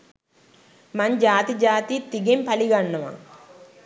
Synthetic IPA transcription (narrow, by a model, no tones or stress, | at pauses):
mɐɲd͡ʒaːt̪id͡ʒaːt̪it̪iɡempɐliɡɐɳːɐma̰